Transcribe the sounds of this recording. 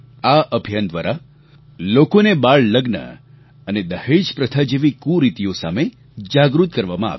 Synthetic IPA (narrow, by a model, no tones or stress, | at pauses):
aʔəbʱijand̪ʋa̰ɾa | lokonebaɭləɡnə̰ | əned̪əheʃpɾət̪ʰad͡ʒeʋikũɾit̪ijosa̰me | d͡ʒaɡɾut̪kəɾʋamãa̰ʋ